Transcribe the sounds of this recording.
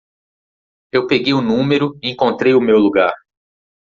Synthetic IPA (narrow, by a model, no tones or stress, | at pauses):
ewpeɡejʊnũmeɾʊiẽkõnt̪ɾejʊmewluɡaɾ